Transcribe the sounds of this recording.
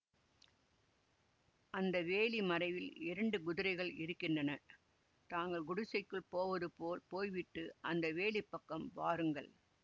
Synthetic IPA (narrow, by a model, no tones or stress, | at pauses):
ʔɐnd̪ɐʋeːlimɐɾɐɪʋɪlɪɾɐɳɖɯɡʊðɪɾɐɪɣɐɭɪɾɯkːɪndrɐnɐ | t̪aːŋɡɐɭɡʊɽʊsɐɪkːɯɭpoːʋɐðɯpoːlpoːjʋɪʈːɯʔɐnd̪ɐʋeːliɪpːɐkːɐmʋaːɾɯŋɡɐɭ